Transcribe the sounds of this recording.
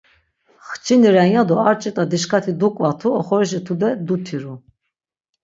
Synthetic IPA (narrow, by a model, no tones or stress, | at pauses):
χt͡ʃʰiniɾɛjad̪ɔaɾt͡ʃʼit̪ʼad̪iʃkʰat̪ʰid̪ukʼvat̪ʰuɔχɔɾiʃ̬it̪ʰud̪ɛd̪ut̪ʰiɾu